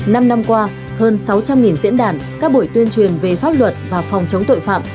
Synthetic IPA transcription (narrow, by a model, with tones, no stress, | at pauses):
na˧mna˧mkwaː˧ | həː˧nsa˨˦wt͡ɕa˧mŋi˨˩nzḭ˧˥ənɗaː˧˩nkaː˦˥k̚ɓu˧˩jt̪wi˧ənt͡ɕwi˨˩ənve˨˩faː˦˥p̚lwə˨˩t̚vaː˨˩fɔ˨˩wŋ͡mt͡ɕə˨˦wŋ͡mt̪o̰˧˨jfa̰ː˧˨mʔ